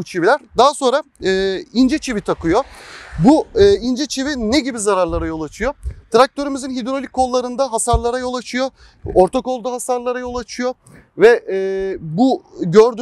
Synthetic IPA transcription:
t͡ʃʰibilʲæɾd̪aɦaso̞nɾaː | ind͡ʒet͡ʃʰivit̪ʰakʰɯjobuɯːind͡ʒet͡ʃʰivineɟibizaɾaɾlˠaɾajo̞lˠat͡ʃʰɯjot̪ʰɾak̚t̪ʰø̞ɾymizinɦid̪ɾo̞lʲikʰːo̞lˠːaɾɯnd̪aɦasaɾlˠaɾajo̞lˠat͡ʃʰɯjo | oɾt̪ʰako̞lˠd̪uɦasaɾlˠaɾajo̞lˠat͡ʃʰɯjo | vɛ | buɟøɾd̪

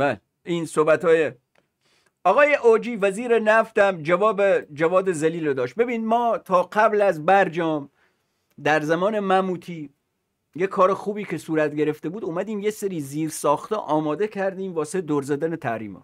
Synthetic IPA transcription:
bæːle | iːnsohbæt̪ʰɒːje | ɒːɣɒːjeʔod͡ʒiːvæziːɾe̞næft̪æmd͡ʒævɒːbed͡ʒævɒːd̪e̞zæliːlod̪ɒːʃt̪̚be̞biːnid̪mɒːt̪ʰɒːqæblæzbæɾd͡ʒɒːm | d̪æɾzæmɒːne̞mæmuːt̪ʰiː | jekʰːɒːɾe̞xuːbiːkʰe̞suːɾæt̪̚ɟe̞ɾe̞ft̪ebuːd̪omæd̪iːmjeseɾiːziːɾsɒːxt̪ḛʔɒːmɒːd̪e̞cʰæɾd̪iːmvɒːsed̪oɾzæd̪æne̞t̪ʰæhɾḭːmɒ̰t̪

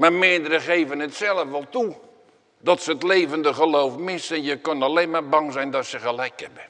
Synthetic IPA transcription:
mamɪədəɾəχeːvənətsɛlˠəfʋɔlˠtu | dɔtsəətleːvəndəχəlowfmɪsənjəkɔnaleːnmarbɑŋzɛjndɔtsəχəlɛjkʰɛbə

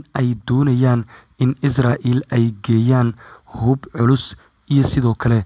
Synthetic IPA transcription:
nʔɛjd̪ɔːnɐjaːn | ɪnɪsraːʔiːlɛjɡɛːjaːnhʊbʕʊlʊs | ijɔsɪðɔːkʰɐlɛ

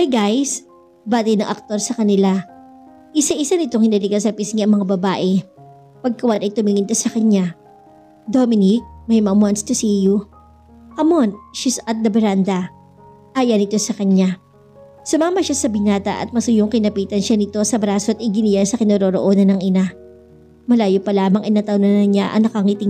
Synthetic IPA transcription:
ajɡajs | baːt̪ɛnɐŋʔɐk̚t̪o̞ɾsɐkɐnɪla | ʔɪsaʔɪsanɪt̪o̞ŋhɪnɐlɪkɐsɐpisŋiʔɐŋmɐŋabɐbaːʔɛ | pɐɡ̚kɐwanɐjt̪ʊmiŋɪnt̪osɐkɐɲa | d̪omɪnɪk̚mɐjmɐmwanst̪ʊsiju | ʔɐmonʃisɐt̪̚d̪ɐbɛɾand̪ɐ | ʔajɐnɪt̪o̞sɐkɐɲa | sʊmamɐʃasɐbɪnaːt̪ɐ̰ʔɐ̰t̪̚mɐsʊjoŋkɪnɐpiːt̪ɐnʃanɪt̪o̞sɐbɾaːsoʔɐt̪ɪɡɪnɪjansɐkɪnoːɾoːɾo̰ʔo̞ːnɐnːɐŋʔɪna | mɐlaːjopɐlaːmɐŋʔɐjnɐt̪ɐwnɐnɐɲaʔɐ̰ŋnɐkɐŋit̪ɪ

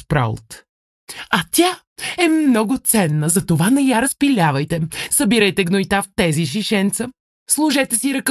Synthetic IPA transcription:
pɾa̰lˠt̪ | ɐt̪ʲja | ɛmnɔɡʊt̪sɛnːəzɐt̪ovanɐjaɾɐspilʲavɐjt̪ɛsɐbiɾəjt̪ɛɡnojt̪aft̪ɛziʃ̬iʃɛnt̪sə | slˠʊʒɛt̪ɛsiɾɐk

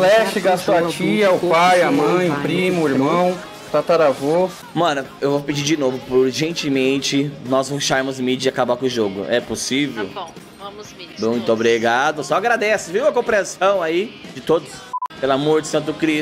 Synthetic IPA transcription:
lɛʃɪɡast̪oat͡ʃiɐʊpajɐmɐ̃j̃ʊpɾĩmʊʊiɾmɐ̃w̃ | t̪at̪aɾavo | mɐ̃nʊewvopɪd͡ʒiɾd͡ʒɪnovʊpoɾʒẽnt͡ʃɪmẽt͡ʃɪnɔzvoʃaɾmʊzmid͡ʒɪakabaɾkõʒoɡʊ̰ʔɛposivew | mũj̃t̪ʊobɾiɡad̪ʊsɔaɡɾad̪ɛsɪviwɐkõpɾẽsɐ̃w̃aid͡ʒɪt̪od̪ʊspelamoɾd͡ʒɪsɐ̃nt̪ʊd̪ʊkɾi

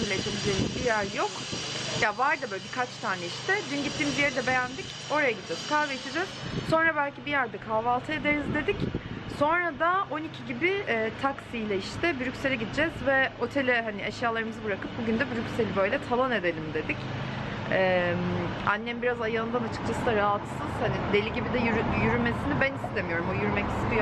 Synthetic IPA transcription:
milʲet͡ʃʰilʲid͡ʒejmizbijæɾjo̞k | javaɾd̪abølʲikʰat͡ʃt̪ʰaːnɛiʃt̪ʰɛd̪ynɟit̪ʰːiːmizijeɾid̪ɛbe̞jænd̪ic | o̞ɾajaɟid̪id͡ʒɛz̥kʰaveit͡ʃ̪ʰid͡ʒɛz̥so̞nɾabælʲcibijæɾd̪ɛkʰaːvalˠt̪ʰɯe̞d̪e̞ɾizd̪e̞d̪icso̞nɾad̪ao̞nicʰiɟibɪɛːt̪ʰaksijlʲɛiʃt̪ʰɛbyɾycʲse̞lʲɛɟid̪id͡ʒɛzvɛo̞t̪ʰe̞lʲɛɦaniɛʃjaːlˠaɾɯmɯzɯbɯɾakɯp̚buɟynd̪ɛbyɾycʲselʲibø̞jlʲɛt̪ʰalˠane̞d̪e̞lʲimd̪e̞d̪ic | ɛma̰nːɛmbiɾazajalˠɯnd̪anat͡ʃʰɯ̥k̚t͡ʃʰasɯd̪aɾaɦat̪sɯz̥hanid̪elʲiɟibid̪ɛjɾjyɾyme̞sinibænist̪ʰe̞mijo̞ɾumojyɾymɛci̥st̪ijo

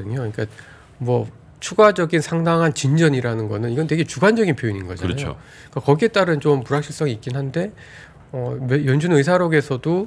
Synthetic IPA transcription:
ɯɲoiɲik͈a | mwʌ | t͡ɕʰuɡad͡ʑʌɡinsʰaŋdaŋɦant͡ɕind͡ʑʌɲiɾanɯnɡʌnɯniɡʌnte̞ɡe̞t͡ɕuɡand͡ʑʌɡinpʰjoiɲinɡʌ̰d͡ʑa̰ʌoo̰ | k͈akʌɡie̞t͈aɾɯnt͡ɕompuɾɦakɕʰiɭs͈ʌŋiːtk͈inɦande̞ | ʌmjʌnd͡ʑunɯs̬ʰaɾoɡe̞sʰʌdo

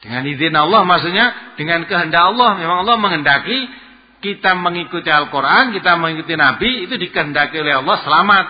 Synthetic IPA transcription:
d̥əŋanid̪ɪnɔlːɔhmas̬uʔɲad̥əŋankəɦəndaʔɔlːɔhmemaŋɔlːɔhməŋəndaki | kit̪aməŋikut̪ialkurʔankit̪aməŋikut̪inabiːt̪udikəɦəndakiolɛɦɑlːɔhsəlamat̪̚

